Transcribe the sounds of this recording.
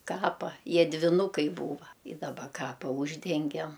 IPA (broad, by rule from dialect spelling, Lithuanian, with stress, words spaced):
ˈkɑːpɐ ˈjiɛ dʲʋʲɪˈnʊkɐɪ ˈbuːʋɐ ˈɪ dɐˈbɐ ˈkɑːpɐ ˈuːʒʲdʲɛŋʲɡʲɛm